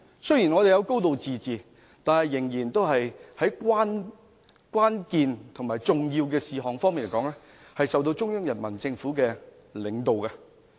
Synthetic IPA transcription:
sɵ˥ji˨˩nŋɔː˨˧d̪e˨jɐ˨˧wko˥wt̪o˨wt͡siː˨t͡siː˨ | t̪aː˨˧nhɐ˨jːɪ˨˩ŋjiː˨˩nt̪o˥wɦɐ˨jhɐ˨˥jkʷaː˥n | kwaː˥nkiː˨˧nt̪ʰʊ˨˩ŋmaː˨jt͡sʊ˨ŋjiː˧wkɛː˧siː˨ɦɔː˨ŋfɔ˥ŋmiː˨nlkɔː˨˥ŋlɛː˥ | hɐ˨jsɐ˨wt̪̬o˧wt͡ʃʊ˥ŋjɐ˥ŋjɐ˨˩nmɐ˨˩nt͡sɪ˧ŋfuː˨˥kɛː˧ | lɪ˨˧ŋt̪o˨wka˧

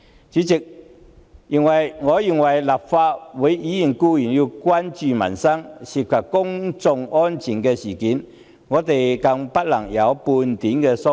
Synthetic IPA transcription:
t͡siː˨˥t͡sɪ˨k̚ | jɪ˨˩ŋwɐ˨˩jŋɔː˨˧ji˨ŋwɐ˨˩jla˨˩p̚faː˧t̚wu˨˥jiː˨˥ji˨˩nkuː˧jyː˨˩nji˧wkwaː˥nt͡ʃyː˨mɐ̰˨˩nsɐ˥ŋsi˨˩p̚kʰɐ˨˩p̚kʊ˥ŋt͡sʊ˧ŋɔ˥nt͡sʰiː˨˩nkɛː˧siː˨˩kiː˨˥˦n | ŋɔː˨˧t̪e˨jkɐ˧ŋpɐ˥t̚lɐ˨˩ŋjɐ˨˧wpuː˧nt̪iː˨˥nkɛː˧sʊ˥

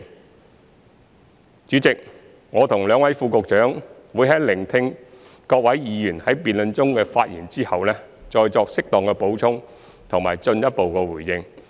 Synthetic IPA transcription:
t͡ʃyː˨˥t͡sɪ˨k̚ | ŋɔː˨˧t̪ʰʊ˨˩ŋlœː˨˧ŋwɐ˨˥jfuː˨˧kʊ˨k̚t͡ʃœː˨˥ŋwuː˨˧jɦɐ˨˥jlɪ˨˩ŋt̪ʰɪ˧ŋ | kɔː˧k̚wɐ˨˥jjiː˨˧jyː˨˩nhɐ˨˥jpiː˨nlɵ˨˧nt͡sʊ˥ŋkɛː˧faː˧t̚jiː˨˩nt͡siː˥hɐ˨wlɛː˥t͡sɔː˧jt͡sɔː˧k̚sɪ˥k̚t̪ɔː˨ŋkɛ˧po˨˥wt͡sʰʊ˥ŋ | t̪ʰʊ˨˩ŋmaː˨˩jt͡sɵ˧njɐ˥t̚po˨wkɛː˧wuː˨˩jjɪ˧ŋ

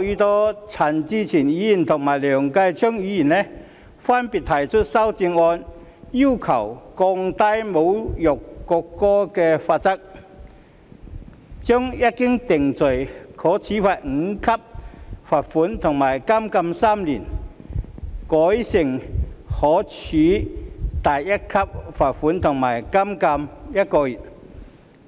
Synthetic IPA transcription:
i˧t̪ɔː˦˥t͡sʰa˨˩nt͡ɕi˧t͡ɕʰiː˨˩niː˨˥ji˨˩nt̪ʰʊ˨˩ŋmaː˨˩jlœ˨˩ŋka˧jt͡ɕʰœ˥ŋiː˨˧˦ji˨˩nɛ˧ | fa˥npi˨t̚t̪ʰa˨˩jt͡sʰʊ˥t̚sa˦˥wt͡si˧ŋɔ˧n | ji˥wkʰɐ˨˩wkɔ˧ŋt̪a˥jmo˨˧wjɔ˨˩kːɔ˧kːɔ˥kɛ˧faː˧t̚t͡sɐ˥k̚ | t͡ɕɔ˥ŋja˦˥t̚kːɪ˥ŋt̪ɪ˨˩ŋt͡sɵ˨˩jkʰɔː˨˥t͡sʰiː˨˦faː˨t̚ŋ̩˨˧˦kʰɐ˥p̚faː˨t̚fu˨˥nt̪ʰʊ˨˩ŋmaː˨˩jka˥mkɐ˧msaː˥mli˨˩n | kɔː˨˥jsɪ˨˩ŋhɔː˨˦t͡sʰiː˨˦t̪a˨˩jjɐ˦˥t̚kʰɐ˥p̚faː˨˩t̚fuː˨˦˥nt̪ʰʊ˨˩ŋmaː˨˩jka˥mkɐ˧mjɐ˦˥t̚kɔː˧ji˨˩t

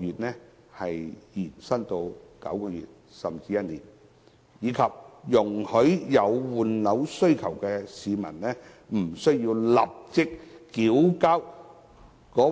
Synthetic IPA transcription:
yː˨t̚nɛː˥ | hɐ˨jjiː˨˩nsɐ˥nt̪o˧wkɐ̰˨˥wkɔː˧jy̰ː˨t̚ | sɐ˨mt͡siː˧jɐ˥t̚nḭː˨˩n | jiː˨˧kʰɐ˨p̚jʊ˨˩ŋhɵ˨˥ɥjɐ˨˧wwuː˨nlɐ˨˧wsɵ˥ɥkʰɐ˨˩wkɛː˧siː˨˧mɐ̰˨˩nnɛː˥m̩˨˩sɵ˥ɥjiː˧wla̰˨p̚t͡sɪ˥k̚ːiː˨˥wkaː˥w | kɔː˨˥

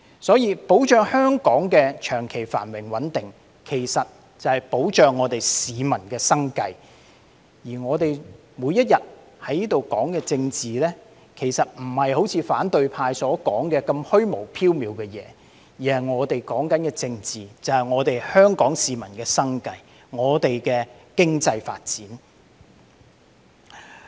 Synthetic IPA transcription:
sɔː˨˥jiː˨˧po˨˥wt͡ʃœː˨ŋhœː˥ŋkɔː˨˥ŋkɛː˧t͡ʃʰœː˨˩ŋkʰe˨˩jfa̰ː˨˩nwɪ˨˩ŋwɐ˨˥nt̪ɪ˨ŋ | kʰe˨˩jsɐ˨t̚ | t͡sɐ˨˧hɐ˨jpo˨˥wt͡ʃœː˨ŋːɔː˨˧t̪e˨jsiː˨˧mɐ˨˩nkɛː˧sɐ˥ŋkɐ˧j | jiː˨˩ŋɔː˨˧t̪e˨j | muː˨˧jːɐ˥t̚jɐ˨t̚ | hɐ˨˥jniː˥t̪o˨wkɔ̰ː˨˥ŋkɛː˧t͡sɪ˧ŋt͡siː˨lɛː˥ | kʰe˨˩jsɐ˨t̚m̩˨˩hɐ˨jho˨˥wt͡sʰiː˧faː˨˥nt̪ɵ˧ɥpʰaː˧jsɔː˨˥kɔː˨˥ŋkɛː˧kɐ˧mhɵ˥ɥmo˨˩wpʰiː˥wmiː˨˧wkɛː˧jɛ̰ː˨˦ | jiː˨˩hɐ˨jŋɔː˨˧t̪e˨jkɔː˨˥ŋkɐ˨˥nkɛː˧t͡sɪ˧ŋt͡siː˨˩t͡sɐ˨whɐ˨jŋɔː˨˧t̪e˨jhœː˥ŋkɔː˨˥ŋsiː˨mɐ˨˩nkɛː˧sɐ˥ŋkɐ˧j | ŋɔː˨˧t̪e˨jkɛː˧kɪ˥ŋt͡sɐ˧jfa̰ː˧t̚t͡siː˨˥n

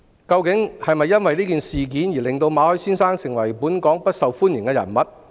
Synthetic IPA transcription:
kɐ˧wkɪ˨˥ŋhɐ˨jmɐ˨jːɐ˥nwɐ˨jliː˥kiː˨nsiː˨k̬iː˨˥njiː˨˩lɪ˨ŋt̪o˧wmaː˨˧hɵ˨˥jsiː˥nsaː˥ŋsɪ˨˩ŋwɐ˨˩jpuː˨˥nkɔː˨˥ŋpɐ˥t̚sɐ˨˧wfuː˥njɪ˨˩ŋkɛː˧jɐ̰˨˩nmɐ˨t̚

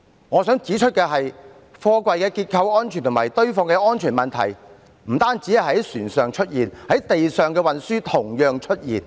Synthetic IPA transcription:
ŋɔː˨˧sœː˨˥ŋt͡siː˨˥t͡ʃʰɵ˥t̚kɛː˧ɦɐ˨j | fɔː˧kwɐ˨˧jkɛː˧kiː˧t̚kʰɐ˧wɔː˥nt͡ʃʰyː˨˩nt̪ʊ˨˩maː˨˩jt̪ɵ˥ɥfɔː˧ŋkɛː˧ɔː˥nt͡ʃʰyː˨˩nmɐ˨nt̪ʰɐ̰˨˩j | m̩˨˩t̪aː˥nt͡siː˨˥jɐ˨˩ɦɐ˨˥jsyː˨˩nsœː˨˧ŋt͡ʃʰɵ˥t̚jiː˨˩nhɐ˨˥jt̪e˨jsœː˨ŋkɛː˧wɐ˨nsyː˥t̪ʰʊ˨˩ŋjœː˨ŋt͡ʃʰɵ˥t̚jiː˨˩n

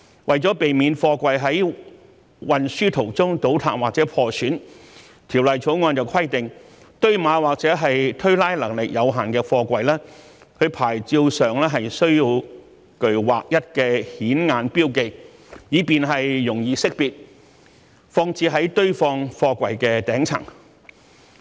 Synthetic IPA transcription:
wʔɐ˨jt͡sɔː˨˥pe˨jmiː˨˧nfɔː˧kʷɐ˨jɦɐ˨˥j | wɐ˨nsyː˥t̪ʰo˨˩wt͡sʊ˥ŋt̪o˨˥wt̪ʰa̰ː˨˧waː˨k̚t͡sɛː˨˥pʰɔː˧syː˨˥n | t̪ʰiː˨˩wlɐ˨jt͡sʰo˨˥wŋɔː˧nt͡sɐ˨wkʰɐ˥jt̪ɪ˨ŋ | t̪ɵ˥ɥmaː˨˧waː˨˩k̚t͡sɛː˨˥ɦɐ˨jt̪ʰɵ˥ɥlaː˥jlɐ˨˩ŋlɪ˨k̚jʔɐ˨˧wɦaː˨nkɛː˧fɔː˧kʷɐ˨jlaː˥ | kʰɵ˨˧pʰaː˨˩jt͡siː˧wsœː˨ŋlɛː˥ɦɐ˨jsɵ˥ɥjiː˧w | kɵ˨ɥwa̰ː˨k̚jɐ˥t̚kɛː˧hiː˨˥nŋaː˧npiː˥wke˨˧j | jiː˨˧piː˨nɦɐ˨jːʊ˨˩ŋjiː˨˧sɪ˥k̚piː˨t̚ | fɔː˧ŋt͡siː˧ɦɐ˨˥jt̪ɵ˥ɥfɔː˧ŋfɔː˧kʷɐ̰˨˩jkɛː˧t̪ɛː˨˥ŋt͡sʰɐ̰˨˩ŋ

